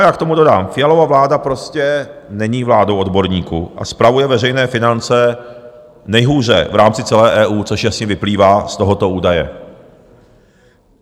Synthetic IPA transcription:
jaːkt̪o̞mudo̞daːmfɪjalo̞vavlaːdapɾo̞scɛnɛɲiːvlaːdowodbo̞ɾɲiːkṵːʔa̰spɾavujɛvɛrɛjnɛːfɪnant͡sɛ | nɛjɦuːr̝ɛ̰vɾaːmt͡sɪt͡sɛlɛːʔɛːʔuːt͡soʃjasɲɛvɪpliːvaːst̪oɦo̞t̪o̞uːdajɛ̰

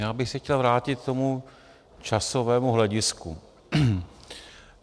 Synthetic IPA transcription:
jaːbɪxsɛxcɛlvɾaːcɪt̪̚t̪ːo̞mu | t͡ʃasovɛːmuɦlɛɟɪskṵ

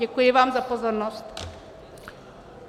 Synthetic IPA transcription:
ɛkujeʋamzapozɔɾnɔst̪

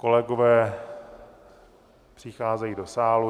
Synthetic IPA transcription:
kolɛɡovɛː | pr̥ɪxaːzɛjiːdosaːlu

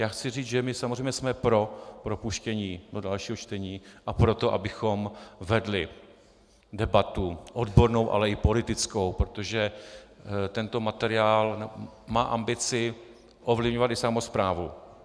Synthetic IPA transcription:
jaːxt͡sɪriːt͡sʒɛmɪsamozrɛjmɲɛsmɛpɾo̞pɾopuʃcɛɲiːdodalʃiːɦot͡ʃt̪ɛɲiːʔapɾo̞t̪o̞ʔa̰bɪxo̞mvɛdlɪ | dɛbat̪uʔodbo̞ɾno̞wʔa̰lɛɪpo̞lɪt̪ɪt͡sko̞wpɾot̪oʒɛ | t̪ɛnt̪o̞mat̪ɛɾɪaːlnmaːʔambɪt͡sɪ | ʔovlɪvɲovat̪ɪsamo̞spɾaːvu

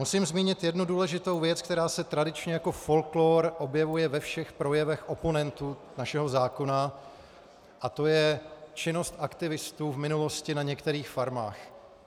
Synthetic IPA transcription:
musiːmzmiːɲɪt̪jɛdnuduːlɛʒɪt̪o̞wvjɛt͡sk̚t̪ɛɾaːsɛt̪ɾadɪt͡ʃɲɛjako̞fo̞lkloːɾʔo̞bjɛvujɛvɛfʃɛxpɾo̞jɛvɛxʔo̞po̞nɛnt̪u | naʃɛɦo̞zaːko̞na | ʔat̪o̞jɛt͡ʃɪno̞st̪ʔakt̪ɪvɪst̪uːvmɪnulo̞scɪnaɲɛkt̪ɛɾiːxfaɾma̰ːx

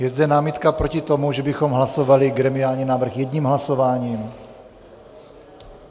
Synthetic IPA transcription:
jɛzd̪ɛnaːmɪt̪kapɾo̞cɪt̪o̞muʒɛbɪxo̞mɦlaso̞valɪɡɾɛmɪaːlɲinaːvr̩xjɛd̪ɲiːmɦlaso̞vaːɲiːm

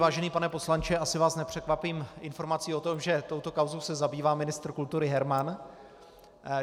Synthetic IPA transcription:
vaːʒɛniːpanɛpo̞slant͡ʃɪʔasɪvaːsnɛpr̥ɛkvapiːmʔɪnfo̞ɾmat͡siːo̞t̪o̞mʒɛt̪o̞wt̪o̞kawzo̞wsɛzabiːvaːmɪnɪst̪ɾkult̪uɾɪɦɛɾman

